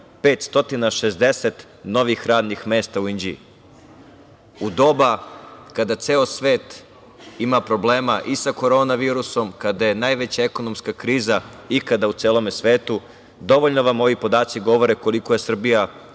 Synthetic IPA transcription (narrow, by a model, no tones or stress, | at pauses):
pe̞ːt̪st̪o̞t̪inaʃe̞zd̪e̞set̪ | no̞ʋixɾaːd̪nixme̞ːst̪auind͡ʑi | ud̪o̞bakad̪at̪seːosʋe̞ːt̪ | imapɾo̞ble̞ːmaʔisako̞ɾo̞ːnaʋiːɾuso̞mkad̪ajenaːjʋe̞t͡ɕaeko̞nomskakɾiːza | ikad̪aut̪seːlo̞me̞sʋe̞ːt̪u | d̪o̞ʋoʎnoʋamo̞ʋipo̞d̪aːt̪siɡo̞ʋo̞ɾe̞ko̞liko̞je̞sr̩bija